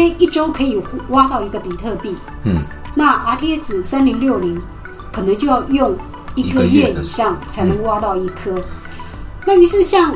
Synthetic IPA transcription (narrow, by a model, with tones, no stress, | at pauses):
e˥i˥˩ʈ͡ʂo˥ʊkʰɤ˧˥i˨˩wa˥t̪ɑ˥˩ʊi˧˥ɡə˧pi˨˩t̪ʰɤ˥˧pi˥˩ | na˥˩ʔa˧˥t̪ʰt͡sɹ̩˨˩sa˥nli˧˥ŋljo˥˩ʊli˧˥ŋ | kʰɤ˨˩nɤ˧˦ŋt͡ɕjo˥˧ʊjɑ˥˧ʊjʊ˥˧ŋ | i˧˥ɡə˧ɥɛ˥˩i˨˩ʂɑ˥˩ŋt͡sʰa˧˥ɪnə˧˥ŋ˧wa˥t̪ɑ˥˧ʊi˥˩kʰɤ˥ | na˥˩y˧˥ʂɻ̩˥˧ɕjɑ˥˩ŋ